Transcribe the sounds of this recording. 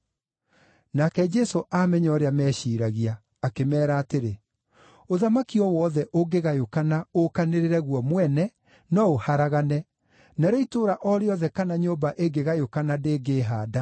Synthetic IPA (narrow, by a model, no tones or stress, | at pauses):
nakɛd͡ʒɛsoʔamɛɲɔɾeamɛɕiɾaɣiaː | kemɛːɾaːteɾe | oðamakiɔwɔːðɛʔoɡeɣajokanaokaneɾeɾɛɣwɔmwɛnɛ | nɔohaɾaɣanɛ | naɾoitoɾaʔɔɾeɔðɛkanaɲobaʔeɡeɣajokanadeːɡeːɦaːda